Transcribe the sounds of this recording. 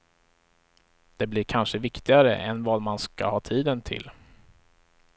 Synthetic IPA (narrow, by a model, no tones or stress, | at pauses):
d̪̥ɛblɪɾkʰanʂəvɪkt̪ɪɡaɾə̰ʔɛnvɑːd̪manska̰hɑːt̪ʰiːd̪ənt̪ʰɪ̰l